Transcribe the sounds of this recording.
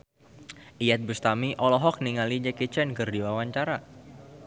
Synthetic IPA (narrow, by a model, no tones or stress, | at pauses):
ʔijat̪̚bust̪amiʔɔlɔɦɔk̚niŋalid͡ʒɛkit͡ʃɛnkɨrdiwawaɲt͡ʃaɾa